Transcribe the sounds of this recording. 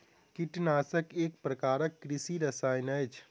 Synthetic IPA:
kiʈnaːsəkek̚pɾəkaːɾəkːɾisiɾəsajnəjt͡ʃʰ

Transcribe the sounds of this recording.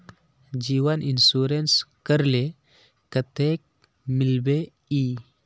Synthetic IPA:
d͡ʒiːwənʔinsuɾenskəɾle | kət̪ek̚ | milbe | i

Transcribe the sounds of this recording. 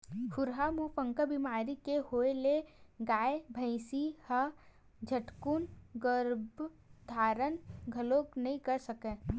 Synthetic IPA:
kʰʊɾɦamupə̃ŋkəbimaːɾikehoːeleɡaːebʱə̃ɪsihə | d͡ʒʱəʈkunɡəɾb | d̪ʱaːɾənɡʱɐloːknɐɦĩkɐɾsəkẽː

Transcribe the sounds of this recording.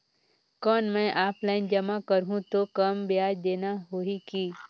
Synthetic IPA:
kɔːnmɛ̃ʔaːplaːɪnd͡ʒɐmakəɾɦũt̪okɐmbɪjaːd͡ʒd̪eːnaɦoːikiː

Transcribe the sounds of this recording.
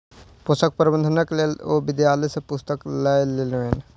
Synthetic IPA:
pʊst̪ək̚pɾbə̃nd̪ʱənəklelobɪd̪jaːlesepʊst̪əklajlelʋen

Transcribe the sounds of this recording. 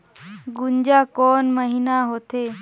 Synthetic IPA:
ɡuɲd͡ʑakɔnməɦinaɦot̪e

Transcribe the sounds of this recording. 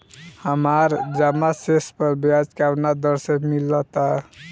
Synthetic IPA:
həmaɾd͡ʒamasespəɾbjad͡ʒkaʋnad̪əɾsemilːət̪a

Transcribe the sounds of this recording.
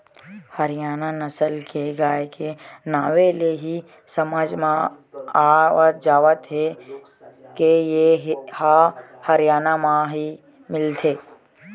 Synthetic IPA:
həɾɪjaːnanəsəlkʰeɡaːekenaːʋeleɦi | səməd͡ʒmã | aət̪̚d͡ʒaːʋət̪ɦe | kejeɦhahəɾɪjaːnamãɦi | mɪlt̪ʰeː

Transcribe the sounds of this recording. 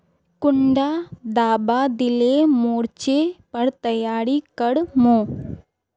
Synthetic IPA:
kʊɳɖaːd̪aːbaːd̪ɪlemoːɽt͡ʃeːpɐɽt̪ɐjaːɾikɐɽmõː

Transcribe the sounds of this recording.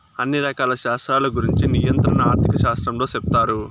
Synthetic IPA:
ɐnːiɾɐkaːlɐʃaːst̪ɾaːlɐɡuɾiɲt͡ʃinijɐnt̪ɾɐnɐaːɾt̪ʰikɐʃaːst̪ɾɐmlo̞ːsep̚t̪aːɾu

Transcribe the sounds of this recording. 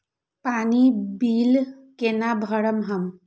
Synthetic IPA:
paːnibiːl | kenabʱəɽəmɦəm

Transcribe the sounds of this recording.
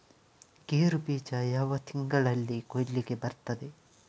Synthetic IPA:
keːɾubiːt͡ʃɐjɐʋɐt̪ʰiŋɡɐɭɐlːikolːiɡebɐɾt̪ɐd̪e

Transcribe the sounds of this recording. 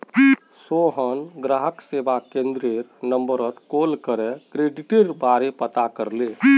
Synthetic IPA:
soɦənɡɾaɦəksebakẽnd̪ɾeɾnəmbəɾət̪kolkəɾɛkɾeɖiʈeɾbaɾepət̪akəɾle

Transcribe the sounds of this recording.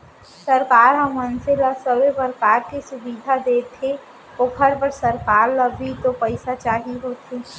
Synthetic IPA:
səɾkaːɾɦəmːənselasəbebəɾkaːɾkesʊbiːd̪ʱad̪eːt̪ʰe | okʰəɾpəɾsəɾkaːɾləbʱit̪opəɪsat͡ʃaːɦiɦoːt̪ʰeː

